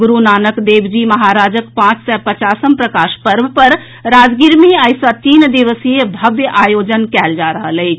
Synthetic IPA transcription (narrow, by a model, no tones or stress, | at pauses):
ɡuɾunaːnəkd̪ebd͡ʒiməɦaɾad͡ʒəkpãt͡ʃsɛpət͡ʃasəmpɾəkaʃpəɾbʱpəɾ | ɾad͡ʒɡiɾmiajsət̪iːnd̪iʋəsijebʱəbjəʔajod͡ʒənkɛld͡ʒaɾəɦələɪt͡ʃʰ